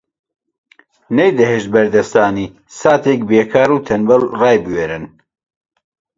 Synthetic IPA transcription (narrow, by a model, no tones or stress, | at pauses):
nejd̪ɐɦeːʃt̪̚bɐɾd̪ɐst̪aːniː | saːt̪ʰek̚beːkʰaːɾuːt̪ʰɐnbɐlrɑːjbɨweːɾɨn